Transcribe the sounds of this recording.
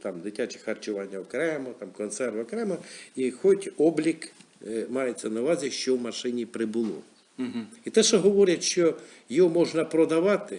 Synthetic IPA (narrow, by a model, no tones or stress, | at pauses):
t̪ɑmd̪ɪtʲat͡ʃɪ̥xɐrt͡ʃʊʋɑnʲːɐɔkɾɛmɔt̪ɑmkɔnt̪sɛrʋɐkɾɛmɐixɔtʲɔblʲikmɑjet͡sʲːɐnɐʊʋɑzʲiʃt͡ʃɔwmɐʃɪnʲipɾɪbʊlˠɔ̰ | it̪ɛʃɔɦɔʋɔɾʲɐtʲʃt͡ʃɔ | jɔɔmɔʒnɐpɾɔd̪ɐʋɑt̪ɪ